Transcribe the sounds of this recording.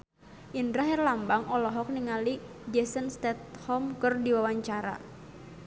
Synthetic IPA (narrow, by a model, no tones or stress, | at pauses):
ʔindɾaɦɛrlambaŋɔlɔɦɔk̚niŋalid͡ʒɛsənst̪ɛt̪̚hɔmkərdiwawaɲt͡ʃaɾa̰